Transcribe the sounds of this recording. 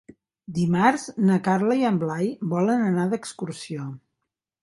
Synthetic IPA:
d̪imaɾznəkarləiəmblajbɔlənənaðəkskursio

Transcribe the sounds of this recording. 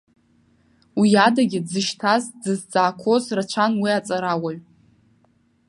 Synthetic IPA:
wijadaɡʲɪdzɨʃtʰazd͡zɨzd͡zaːkʷʰo̞zrat͡ʃʷʰanwiat͡sʼaɾawaɥ

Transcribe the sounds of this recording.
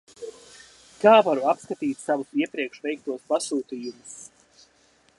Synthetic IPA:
kaːvaɾuapskat̪iːt̪ʲsavusiɛpɾiɛkʃvɛjk̚t̪uɔspasuːt̪iːjumʊs

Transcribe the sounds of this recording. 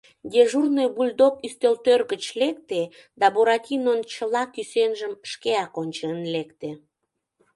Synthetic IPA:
ɡeʒurnojbulʲd̪okyst̪ølt̪ørɣət͡ɕlek̚t̪e | d̪ɑboɾɑtʲinont͡ɕəlɑkysenʒəmʃkeɑkonʲt͡ɕenlekt̪e

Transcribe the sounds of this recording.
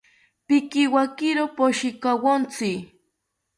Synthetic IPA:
pɪkɪwakɪɾopoʃɪkawont͡sɪ

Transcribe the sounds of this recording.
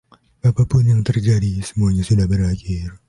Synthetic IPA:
b̥apapʊnjaŋt̪ərd͡ʒadisə̥muaɲasudahbəɾakeɾ

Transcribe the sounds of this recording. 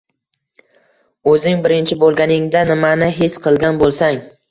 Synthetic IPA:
ɵzɪŋbɪɾɪnt͡ʃʰɪbolˠɡʲanɪŋd̪anɪmanɪɦesqʰɨlˠɡʲanbolˠsaŋ

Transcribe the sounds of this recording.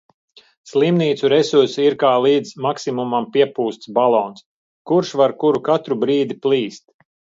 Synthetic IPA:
slˠimniːt̪suɾɛsuɾsiiɾkaːlˠiːd̪zmaksimumampiɛpuːst̪sbalˠɔːns | kuɾʃvaɾkuɾukat̪ɾubɾiːd̪iplˠiːst̪̚

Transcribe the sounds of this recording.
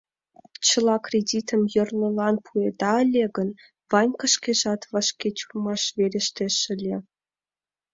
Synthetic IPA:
t͡ɕɤ̆lˠɑkrʲedʲit̪ə̆mjɤ̆rlʲˠɤ̆lˠɑnpʰued̪ɑə̆lʲeɡə̆n | vɑnʲkə̆ʃkʲeʒɑt̪vɑʃkʲet͡ɕurmɑʃβeɾʲeʃt̪ʲeʃɘ̆lʲe

